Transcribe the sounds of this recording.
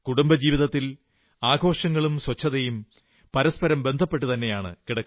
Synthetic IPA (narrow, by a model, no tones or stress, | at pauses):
kuɽumbɐd͡ʑiːʋiðɐt̪ːil | aːɡʱo̞ːʂɐŋːɐɭumswɐt͡ɕʰːɐðɐjum | pɐɾɐspɐɾɐmbe̞nd̪ʱɐpːe̞ʈ̬ːut̪ɐnːe̞jaːɳɨ̰kiɽɐkː